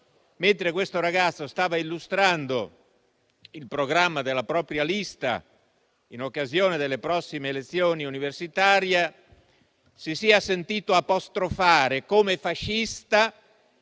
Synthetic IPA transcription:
ment̪ɾek̬west̪oɾaɡat̪sːost̪aːvailːust̪ɾand̪o | ilpɾoɡɾamːad̪elːapɾɔːpɾjalist̪a̰ | inokːazjoːned̪elːepɾɔsːimeːlet̪sːjoːniuniversit̪aːɾje | sisiasent̪iːt̪oapost̪ɾofaːɾekomefaʃːist̪a

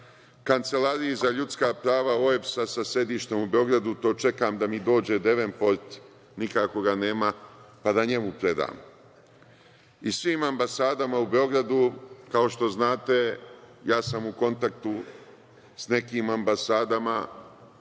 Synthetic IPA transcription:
kant̪se̞laːɾijizaʎut̪skaːpɾaːʋaoefsasase̞d̪iːʃt̪e̞mube̞o̞ɡɾad̪ut̪o̞ːt͡ʃe̞kaːmd̪amid̪o̞ːd͡ʑe̞d̪e̞ʋempoɾt̪ | nikako̞ɡane̞ːmapad̪aɲe̞mupɾe̞d̪a̰ːm | isʋiːmambasaːd̪amaube̞o̞ɡɾad̪ukao̞ʃt̪o̞znaːt̪e̞jaːsamuko̞nt̪ak̚t̪u | sne̞kiːmambasaːd̪ama

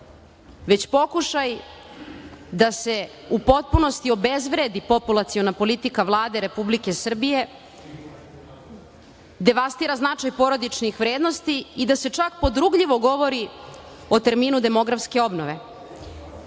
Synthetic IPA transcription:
ʋe̞t͡ɕpo̞kuʃaj | d̪ase̞ | upo̞t̪̚puno̞st̪io̞be̞zʋɾed̪ipo̞pulˠat̪sionapo̞lit̪ikaʋlˠaːd̪eɾe̞publike̞sr̩bije̞ | d̪e̞ʋast̪iːɾaznat͡ʃajpo̞ɾo̞d̪it͡ʃnixʋɾe̞ːd̪nost̪iid̪ase̞t͡ʃak̚po̞d̪ɾuɡʎiʋo̞ɡo̞ʋo̞ɾi | o̞t̪e̞ɾmiːnud̪e̞mo̞ɡɾafske̞o̞bnoʋe

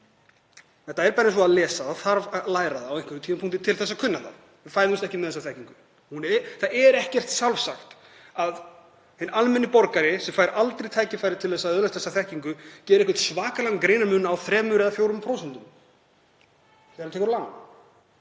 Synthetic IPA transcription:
ɛt̪aɛɾpaɾɪnsɔaðlɛːsaaθaɾvalaːjɾaðaawiŋ̥kvɪt̪ʰiːmapʰuŋ̥t̪ɪt̪ʰɪlθɛsːakʰʏnːant̪a̰ | vɪfaːjðʏmst̪ɛhcɪmɛðθɛsːaθɛhciŋkʏ̥ | hunθaɛɾɛhcɛr̥t̪salvsaxt̪ | að | hɪnalmɛnːɪpɔɾkaɾɪsɛmfaːjɾʔalt̪ɾejt̪ʰaːjcɪfajɾɪ̥t̪ʰɪlθɛsaðœðlɛst̪θɛsːaθɛhciŋkʏcɛːðɾɛhkvɛ̥t̪svaːkalaŋkɾeːjnaɾmʏːnːaaːwθɾɛːmʏɾɛðafjowɾʏmpʰɾoːwsɛnt̪ʏm | θɛɾt̪ɛːkʏɾlawn

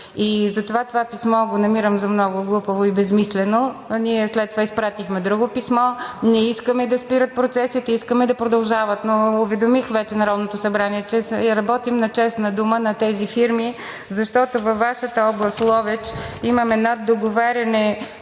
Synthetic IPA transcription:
izɐt̪ovat̪ovapismɔɡonɐmiɾəmzɐmnɔɡʊɡlˠupəvoibɛsmislɛnoniɛslɛt̪t̪ːovaispɾat̪ixmɛd̪ɾuɡopismɔnɛiskəmɛd̪ɐspiɾət̪̚pɾot̪sɛsit̪ɛiskəmɛd̪ɐpɾod̪ɐlˠʒavət̪noːvɛd̪omixvɛt͡ʃɛnɐɾɔd̪not̪osɐbɾaniɛt͡ʃɛjɐɾɐbɔt̪imnɐt͡ʃɛst̪nɐd̪umənɐt̪ɛzifiɾmi | zɐʃt̪ɔt̪ovɐfːaʃət̪əɔblˠəst̪lˠɔvɛt͡ʃimɐmɛd̪nad̪oɡovaɾʲɐnɛ

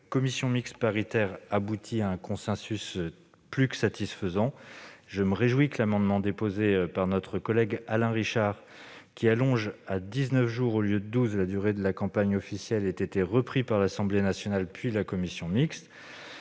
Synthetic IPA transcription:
kɔmisjɔ̃mikspaʁit̪ɛʁabut̪ʰiaɛ̃kɔ̃sɛ̃sys | plyksat̪ʰisfəzɑ̃ʒəməʁeʒwikəlamɑ̃d̪mɑ̃d̪epozepaʁnɔt̪χəkɔlɛɡalɛ̃ʁiʃaʁ | kʲialɔ̃ʒad̪iznœfʒuʁoljød̪əd̪uzlad̪yʁed̪əlakɑ̃paɲɔfisjɛlɛt̪et̪eʁəpχipaʁlasɑ̃blenasjɔnalpɥilakɔmisjɔ̃miks

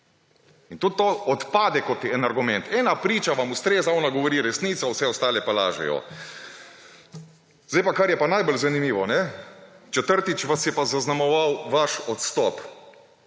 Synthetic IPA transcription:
int̪ut̪ːoɔt̪paːd̪ɛkɔt̪ɛnaɾɡumɛ̃nt̪ɛːnapɾiːt͡ʃaʋamust̪ɾeːzaɔːnaɡɔʋɔɾiːɾɛsniːt̪sɔwsɛɔst̪aːlɛpala̰ːʒɛ̰jɔ̰ | zdejpakaɾjɛpanajbɔlzanimiːʋɔnɛt͡ʃɛt̪əɾt̪it͡ʃʋasjɛpazaznamɔʋawʋaʃɔt̪st̪ɔp

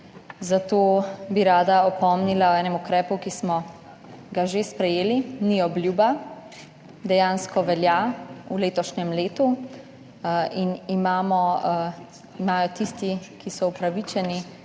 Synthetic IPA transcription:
zat̪oːbiɾaːd̪aɔpɔmnilaɔɛːnɛmukɾɛːpukismɔ | ɡaʒespɾɛjeːliniɔblʲjuːba | d̪ɛjaːnskɔʋɛljauleːt̪ɔʃɲɛmleːt̪u | inimaːmɔ | imaːjɔt̪ist̪ikisɔupɾaʋit͡ʃɛni

